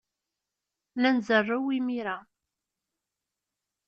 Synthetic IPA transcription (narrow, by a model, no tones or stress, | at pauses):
nænzərˤːawimiɾa